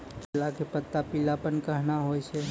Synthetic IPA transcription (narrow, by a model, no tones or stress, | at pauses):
lakepət̪ːapilapənkəɦnaɦoːjsɛ